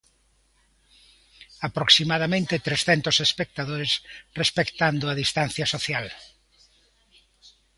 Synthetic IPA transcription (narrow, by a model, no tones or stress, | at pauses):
apɾoksimaðamẽnt̪et̪ɾesθɛnt̪ʊsespek̚t̪aðoɾesrespekt̪and̪ʊaðist̪an̟θjɐsoθjal